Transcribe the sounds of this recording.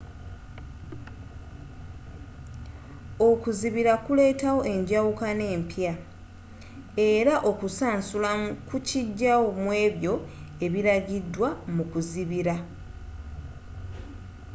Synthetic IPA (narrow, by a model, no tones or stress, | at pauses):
okuziβiɾakule̞ːtawo̞ʔe̞ɲɟawukane̞ːmpja | e̞ɾaʔo̞kusaːnsulakuciɟːawomwe̞ːβjo̞e̞βiɾaɟidːwamukuziβiɾa